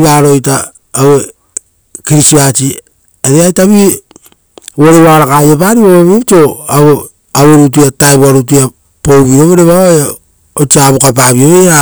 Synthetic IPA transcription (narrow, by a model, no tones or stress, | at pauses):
βaɾojtaː | we | kiɾisiat͡ʃi | aɾeajtaβi | woɾewaɾakajep̬aɾiβoβaβiopto̞aβo | aweɾut̬uataeβaɾutua | powβioβeɾeβaβa | ot͡ʃiaβukap̬aβioβeɾa